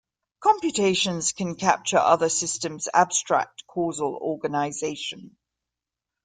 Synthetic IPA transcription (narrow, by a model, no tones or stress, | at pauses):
kʰɒ̃mpjutʰeɪʃə̃nz̥kʰə̃nkʰa̰p̚t͡ʃəɹʔʌðəsɪstə̃mz̥a̰b̥stɹ̥a̰k̚tkʰɔːzəlɔːɡənaɪzeɪʃə̃n